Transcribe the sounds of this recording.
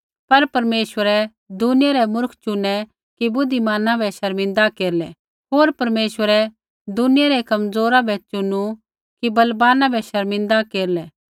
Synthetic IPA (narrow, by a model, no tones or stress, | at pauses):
pɐɾpɐɾmeːʃwəɾɛ | d̪ʊnɪjaɾɛmʊɾkʰt͡ʃʊnːɛ | kibʊd̪ʱimaːnãbʱɛʃɐɾmɪ̃nd̪akeːɾlɛ | ɦoːɾpɐɾmeːʃwəɾɛ | d̪ʊnɪjaɾɛkɐmd͡zoːɾabʱɛt͡ʃʊnːu | kibɐlbaːnãbʱɛʃɐɾmɪ̃nd̪akeːɾlɛ